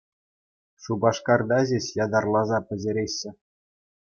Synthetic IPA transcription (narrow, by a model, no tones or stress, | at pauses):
ʂubɑʂkɑrd̪ɑʑeɕjɑd̪ɑrlˠɑzɑpʲɘ̆ʑʲeɾʲeɕːɘ̆